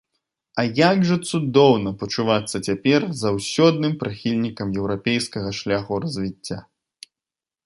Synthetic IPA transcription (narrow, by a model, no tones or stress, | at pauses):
ɐjaɡʐɐt̪sud̪ɔwnɐpɐt͡ʂuvat̪sːɐt͡sʲapʲɛrzawsʲɔd̪nɨmpɾɨxʲilʲnʲikɐmjɛwɾapʲɛjskɐɣɐʂlʲaxuɾɐzʲvʲit͡sʲːa̰